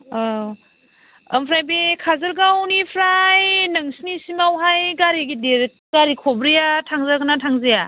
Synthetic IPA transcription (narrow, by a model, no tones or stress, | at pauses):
ə̰mpʰɾajbekʰazɯɾɡawnipʰɾajnɯŋsinisimawɦajɡaɾiɡideɾ | ɡ̥aɾikʰɔbɾijatʰaŋzaɡɯnatʰaŋzeja